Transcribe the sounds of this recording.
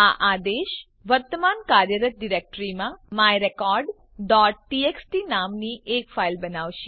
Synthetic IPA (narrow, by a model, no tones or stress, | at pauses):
aʔad̪eʃ | ʋəɾt̪əmankaɾjəɾət̪̚ɖiɾek̚ʈɾimãmajɾekɔɾɖ | ɖɔʈ̚ːieksʈinamniʔekfailbənaʋʃe